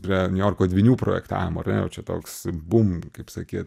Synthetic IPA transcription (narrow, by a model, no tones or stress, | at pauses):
pʲɾʲiɛnʲʊjoːrkoːdʲʋʲiːnʲuːpɾoːjɛkt̪ɑ̰ːʋʲɪmoːɐrnʲɛjɛ̰ʊt͡ʃʲɛt̪o̰ːksbʊmkɐɪpsɐkʲiːt̪